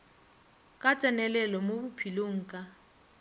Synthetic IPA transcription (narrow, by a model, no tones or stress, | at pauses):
kʼat͡sʼɛnɛlɛlɔmobupʰiloŋ̩kʼa